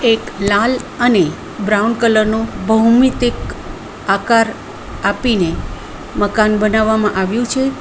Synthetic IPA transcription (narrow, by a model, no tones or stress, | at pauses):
eklaləne | bɾaunkələɾnũbʱəɦwmit̪ɪk | akaɾ | apine | məkanbənaʋːamãʔaʋjũt͡ʃʰe